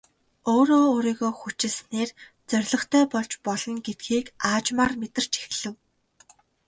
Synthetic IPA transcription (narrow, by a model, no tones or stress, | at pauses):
oːɾoːɾiːɣoːxut͡ɕɪ̆ɮsneːrt͡sœrʲɮɞ̆χt̪ʰæːpɔɮt͡ɕpɔɮɞ̆ŋɡet̪̚ɡiːkaːt͡ɕmaːrmet̪ɘ̆r̥t͡ɕe̥xɮɘ̆w